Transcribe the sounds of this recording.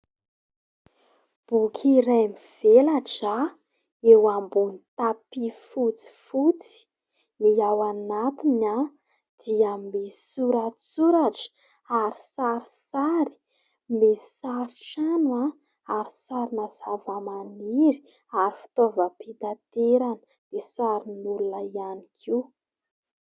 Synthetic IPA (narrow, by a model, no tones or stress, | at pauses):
b̥ukʰiɾajmiv̥elaʈ͡ʂa | ewambunit̪apifut͡si̥fut͡si̥ | iawanat̪ina | d̪̥iamisuɾat͡suɾaʈ͡ʂ | aɾi̥saɾisaɾi̥ | mesaɾiʈ͡ʂanua | aɾisaɾinazavamaniɾi̥ | aɾifi̥t̪ovəpit̪at̪eɾanə | d̪̥esaɾinulunəianikʰi